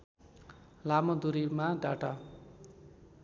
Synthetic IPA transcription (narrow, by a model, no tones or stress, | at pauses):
lamod̪uɾimaɖaʈa